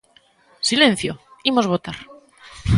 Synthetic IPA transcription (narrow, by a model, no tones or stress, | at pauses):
silẽ̞n̟θjoimo̞zβ̞o̞t̪aɾ